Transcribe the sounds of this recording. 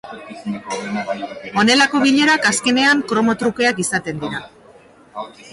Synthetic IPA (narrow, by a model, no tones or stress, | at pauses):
o̞ne̞lako̞β̞iʎe̞ɾakaske̞ne̞aŋkɾo̞mo̞t̪ɾuke̞akisat̪e̞nd̪iɾa